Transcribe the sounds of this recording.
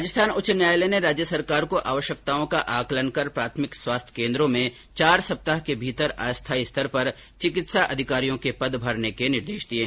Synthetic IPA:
ad͡ʒəst̪ʰaːnʊt͡ʃənjaːjleneɾaːd͡ʒjəsɐɾkaːɾkoʔaːʋəʃjəkt̪aːõkaʔaːklənkɐɾpɾaːt̪ʰmɪkswaːst̪ʰə̥kẽːnd̪ɾõmẽ | t͡ʃaːɾsɐp̚t̪aɦkebʱiːt̪əɾa̰ːst̪ʰaiɪst̪ʰəɾpɐɾt͡ʃɪkɪt̪saʔɐd̪ʱɪkaːɾijõkepɐd̪bʱɐɾnekenɪɾd̪eːʃd̪ieː

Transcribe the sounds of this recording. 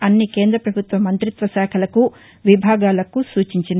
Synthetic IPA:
ɐnːike̞ːnd̪ɾɐpɾɐbʱut̪ʋɐmːɐnt̪ɾit̪ʋɐsɛːkʰɐlɐku | ʋibʱaːɡaːlɐkusuːt͡ʃiɲt͡ʃin

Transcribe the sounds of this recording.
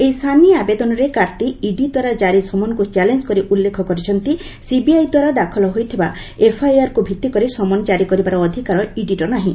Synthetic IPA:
ejst̪ʰaniɔabed̪ɔnɔɾekaɾt̪iiɖid̪waɾad͡ʒaɾisɔmɔnɔkut͡ʃɛlend͡ʒkɔɾiʔulːekʰɔkɔɾit͡ʃʰɔnt̪i | sibiajd̪waɾad̪akʰɔlɔɦojt̪ʰiba | epʰajaɾkubʱit̪ːikɔɾisɔmɔnɔd͡ʒaɾikɔɾibaɾɔːd̪ʱikaɾɔiɖiʈɔnaɦĩ

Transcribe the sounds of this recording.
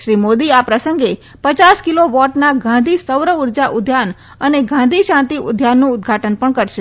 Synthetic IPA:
ʃɾimod̪iapɾəsəŋɡe | pət͡ʃaskiloʋɔʈnaɡʱãnd̪ʱisəwɾəuɾd͡ʒaʔʊd̪ʱjan | əneɡʱãnd̪ʱiʃãnt̪iʔʊ̰d̪ʱjanːũʊd̪ɡʱaʈənpəɳkəɾʃe

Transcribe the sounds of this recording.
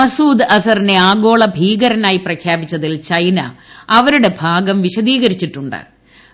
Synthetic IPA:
ɐsuːd̪ɐsɐrineaːɡo̞ːɭɐbʱiːɡɐɾɐnaːjiprɐkʰjaːbit͡ɕːɐðilt͡ɕɐjnɐ̰ɐʋɐɾuɽe̞bʱaːɡɐmʋiɕɐðiːɣɐɾit͡ɕːiʈːuɳɖɨ̰

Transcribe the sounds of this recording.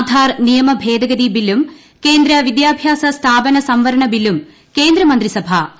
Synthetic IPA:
d̪ʱaːrnijɐmɐbʱe̞ːd̪ɐɡɐd̪ibilːum | ke̞ːnd̪ɾɐʋid̪jaːbʱjaːsɐst̪ʰaːbɐnɐsɐmʋɐɾɐɳɐbilum | ke̞ːnd̪ɾɐmɐnd̪risɐbʱɐ

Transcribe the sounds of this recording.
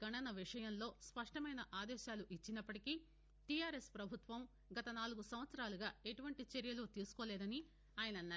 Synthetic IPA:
ɡɐɳɐnɐʋiʂɐjɐnlo̞ːspɐʂʈɐmɐjnɐʔaːd̪ɛːʃaːluʔit͡ʃːinɐpːɐʈiki | ʈijaːɾespɾɐbʱut̪ʋɐm | ɡɐt̪ɐnaːluɡusɐmʋɐt̪sɐɾaːluɡaːe̞ʈuʋɐɳʈit͡ʃeɾjɐlut̪iːsu̥koːlɛːd̪ɐni | aːjɐnɐnːaː

